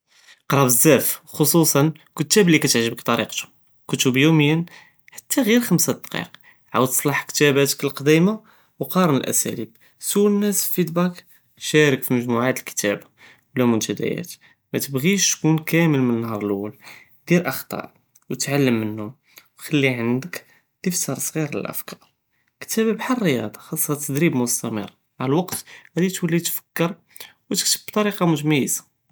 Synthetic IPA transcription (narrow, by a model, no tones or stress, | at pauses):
qɾˤɑbəzːæfxosˤusˤɑnkʊt̪ːæblikæt̪əʕʒəbəkt̪ˤɑɾiqt̪u̥ | kʊt̪əbjuməjːən | ħat̪ʰːæɣiɾxəmsad̪qḭq | ʕa̰wəd̪sˤlɑħkt̪æbæt̪ə̥kəlqd̪ima | wqɑɾˤənəlʔæ̰sæ̰lib | suwənːæsfid̪bæk | ʃæɾəkfiməʒmuʕat̪əlkə̥t̪æb | lːæmʊnt̪æd̪æ̰jæ̰t̪ | mæt̪əbɣiʃt̪kunkæməlmənənːhɑɾˤlʔəwːəl | d̪̥iɾʔəxt̪ˤɑ̰ɾˤ | wət̪ʕalːəmːənhʊm | wxælːiʕənd̪ək | d̪̥ifsɑɾˤsˤɣiɾlə̰lʔə̰fkɑɾˤ | kt̪æbabħɑrˤːəjɑ̰d̪ˤɑxɑsˤːɑt̪ːəd̪ɾibmʊst̪æmə̰r | ʕalwɑqt̪hæd̪it̪wəlːit̪fə̥kːəɾ | wt̪ə̥k̚t̪əb̚bt̪ˤɑɾiqɑmʊt̪mæjːəzḁ